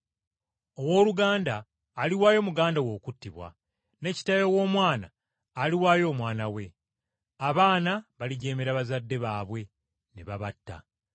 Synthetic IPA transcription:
o̞wo̞ːluɡaːndaː | liwaːjo̞muɡaːndawo̞ːkutːiβwa̰ | ne̞ci̥tajowo̞ːmwaːna̰ː | liwaːjo̞ːmwaːnawe̞ | aβaːnaβaliɟe̞ːmeɾaβazadːe̞βaːβwe̞ | neβaβatːa̰

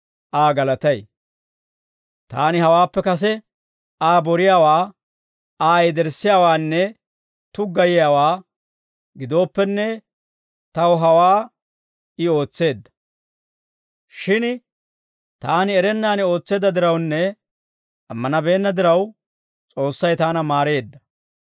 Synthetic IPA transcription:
ʔaːɡɐlɐt̪ɐj | t̪aːnɪɦɐwaːpːɛkɐs̬ɛ | aːbɔɾɪjaːwaː | aːɛd̪ɛɾsːɪjaːwaːnːɛ | t̪ʊɡɐjɪjaːwaː | ɡɪd̪o̞ːpːɛnːɛ | t̪ɐwɔɦɐwaː | ɪo̞ːt͡sːe̞ːd̪ːɐ̥ | ʃɪn | t̪aːnɪɛɾɛnːaːnɪo̞ːt͡sːe̞ːd̪ɐd̪ɪɾɐwnːɛ | ɐmːɐnɐbe̞ːnːɐd̪ɪɾɐw | t͡sʼo̞ːsːɐjt̪aːnɐmaːɾe̞ːd̪ːɐ

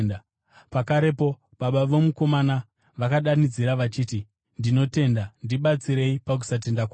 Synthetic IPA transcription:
na | pakaɾe̞po̞ | ɓaɓaʋo̞muko̞mana | ʋakaɗanid͡ziɾaʋat͡ʃiːti | ndino̞te̞ndandiɓat͡siɾe̞ipak̬u̥sat̬e̞ndakwa

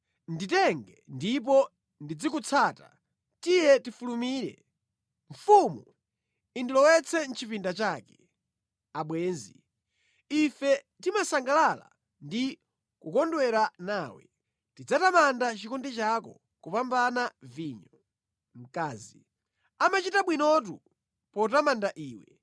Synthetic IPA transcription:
nditɛŋɡɛndip̬ɔ | ndid͡zikut͡sʰaːta̰ | tijɛtifulumiːɾɛ̰ | ɱfumu | indilɔwɛt͡sʰɛn̩t͡ʃʰipindat͡ʃaːkɛ | aɓwɛːnzi | ifɛ | timasaŋɡalala̰ | ndi | kukɔndwɛɾanaːwɛ̰ | tid͡zatamandat͡ʃikundɛt͡ʃakɔ̰ | kupambanaviːɲɔ | m̩kaːzi | amat͡ʃitaɓwinɔt̬u | pɔtamandaʔiːwɛ

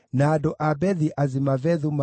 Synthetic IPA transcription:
naːdɔʔabɛðiʔazimavɛðuma

